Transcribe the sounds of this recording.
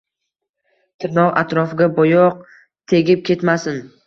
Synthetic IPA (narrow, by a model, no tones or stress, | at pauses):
t̪ʰɪɾnɒwa̰t̪ɾɒfɪɡʲabɒjɒq̚ | t̪ʰe̞ɡʲɪp̚kʲʰe̞t̪masɪn